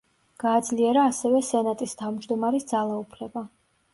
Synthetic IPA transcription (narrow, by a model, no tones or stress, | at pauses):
ɡ̥aːd̪zliɛɾaːsɛvɛsɛnat̪ʼist̪ʰavmd͡ʒd̪ɔmaɾisd̪zalˠaupʰlɛba